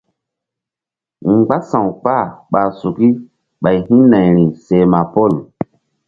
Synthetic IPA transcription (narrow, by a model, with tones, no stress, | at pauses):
ŋ͡mɡ͡ba˦sã˨wk͡pa˦˨ɓa˨su˨ki˦ | ɓa˨jhĩ˦na˨jɾi˨se˨ma˨pɔ˦˨l